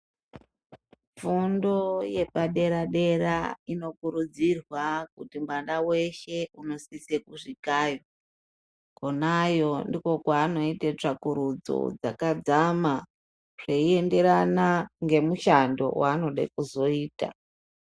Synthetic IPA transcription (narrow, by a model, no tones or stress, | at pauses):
fundo̞je̞paɗe̞ɾaɗe̞ɾaino̞kuɾud͡zirwakutimandawe̞ʃe̞uno̞sisekuʐikaːjo | ko̞najo̞ndiko̞kwaːno̞itet͡ʂakuɾud͡zo̰d͡zakad͡zama | ʐ̥eie̞nde̞ɾanaŋɡe̞muʃando̞̰waːno̞ɗḛkuzo̞iːta̰